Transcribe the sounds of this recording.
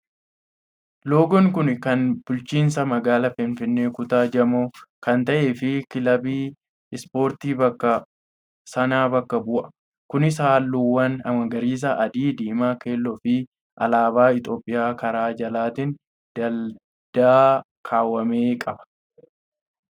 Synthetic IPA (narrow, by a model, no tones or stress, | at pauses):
lo̞ːɡɔŋkʊnkɐnb̥ʊlt͡ʃiːnsɐmɐɡaːlɐfɪnfɪnːeːkʊt̪aːd͡ʒɐmoːkɐnt̪ɐʔeːfɪkɪlɐbiː | ɪspo̞ːɾt̪iːbɐkːɐ | sɐnaːbɐkːɐbʊʔɐ̥ | kʊnɪs̬aːlːuwːɐnɐmɐŋɡɐɾiːs̬ɐʔɐd̪iːd̪iːmaːke̞ːlːɔfɪ | ʔɐ̰laːbaːɪt̪o̞ːpʼːɪjaːkɐɾaːd͡ʒɐlaːt̪ɪn | d̪̥ɐl | d̪̥aː | kʰaːwːɐmeːkʼɐbɐ̥